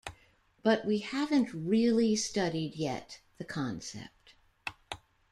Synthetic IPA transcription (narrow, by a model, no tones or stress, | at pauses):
b̥ʌʔ̚wihævɨ̃nʔɹɪlˠistʌɾidjɛ̰t̪̚ðɨkʰɑ̃nsɛ̰p̚t̚